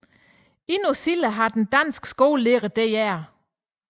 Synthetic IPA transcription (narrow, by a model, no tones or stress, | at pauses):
inosiləɦɑ̈d̥end̥æn̰sɡ̥sɡ̥o̝ːlleʁəd̥ejæɐ̰